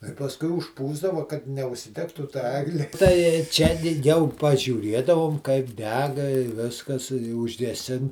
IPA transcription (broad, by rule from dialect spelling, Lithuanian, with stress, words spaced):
tɐɪ pɐsˈkʊɪ ʊʃˈpuːzdɐʋɐ kɐt nʲɛʊʃʲsʲɪˈdʲæːktuː tɐ ˈæːɡlʲɪ tɐɪ ˈt͡ʃʲɛ dʲɪ ˈjɛʊ pɐʒʲuːˈrʲiɛdɐʋoːm kɐɪp ˈdʲæːɡɐ ɪ ˈʋʲɪskɐs ɪ ʊʒʲɡʲɛˈsʲɪn